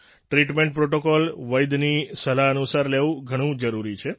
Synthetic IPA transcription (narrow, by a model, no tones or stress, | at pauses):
ʈɾiʈmẽɳʈ̚pɾoʈokɔlʋəjd̪nisəlaənusaɾleʋũɡʱəɽ̃ũd͡ʒəɾuɾit͡ʃʰe